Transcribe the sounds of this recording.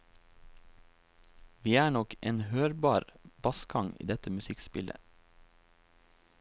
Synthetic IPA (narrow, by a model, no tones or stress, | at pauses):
ʋiːæːɳɔkʔeːnhøːɾbɑːɾbɑskɡɑŋḭːd̪ɛt̪əmʉsɪkspɪlʔə̰